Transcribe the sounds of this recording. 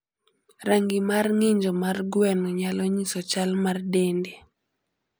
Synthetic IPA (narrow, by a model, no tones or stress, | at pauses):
ɾaŋɡimarŋɪɲd͡ʒɔmarɡwɛnɔɲalɔɲisɔt͡ʃalmardende